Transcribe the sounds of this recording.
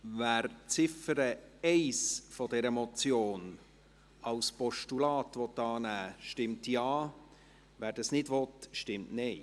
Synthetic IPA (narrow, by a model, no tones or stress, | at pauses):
væːɾt͡sɪfəɾəɛɪsfɔdɛɾəmɔt͡sjoːn | ɑʊspɔʃtulɑːtʋɔt̪ːɑːnæːʃtɪmtjɑː | ʋæːɾd̥ɑsnɪdʋɔtʃtɪmtnɛɪ